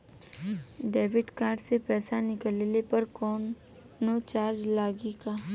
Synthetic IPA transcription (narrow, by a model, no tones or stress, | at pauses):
ɖeːʋɪɖkaːɾɖsepɛːsanɪkəlelepɐɾkɔːnː | ot͡ʃaːɾd͡ʒlaːɡikaː